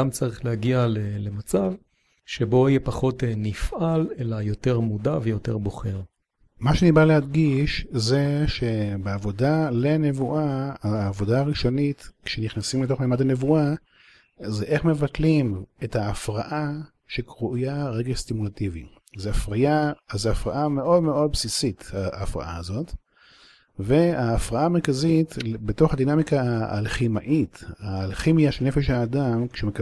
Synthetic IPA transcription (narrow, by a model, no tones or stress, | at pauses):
amt͡saʁiχlehaɡialelemat͡sav | ʃebo̞ijepaχo̞tnifʔalelajo̞te̞ʁmudavejo̞teʁbo̞χe̞ʁ | maʃeanibaleadɡiʃze̞ʃe̞beavo̞dale̞ne̞vuʔaːvo̞daːʁiʃo̞nitkʃeniχnasimlito̞χmemadane̞vua | zeʔe̞χme̞vatlimethaːfʁaʔa | ʃekʁujaʁeɡest̪imulativḭ | zeafʁajazeafʁaʔameʔo̞dmeo̞d̪̚bsisitaːfʁa̰ʔa̰ːzo̞t | veaːfʁaʔaːmeʁkazitbeto̞χad̪inamikaa̰lχimaʔitaːlχimijaʃelnefeʃ̬haːdamkʃemek